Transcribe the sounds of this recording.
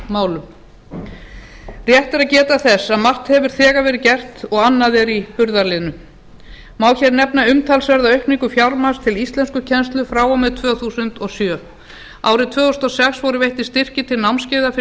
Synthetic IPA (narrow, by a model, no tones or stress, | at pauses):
maːwlʏm | rjɛht̪ɛɾaðcɛːt̪aθɛsːaðmar̥t̪hɛvʏɾ̥θɛːɣavɛːɾɪðcɛr̥t̪ɔɣanːaðɛɾihʏɾðaɾlɪðnʏ | maːwçɛɾnɛpnaʏmt̪ʰalsvɛɾðaœɥhpniŋkʏfjawɾmast̪ʰɪlist̪lɛnskʏcʰɛnst̪lʏfɾaːwawmɛðt̪ʰvœːθusʏnt̪ɔsjœː | a̰ːwɾɪt̪ʰvœːɔst̪ɔsɛksvɔɾʏvejht̪ɪst̪ɪr̥cɪt̪ʰɪlnawmnscɪːðafɪ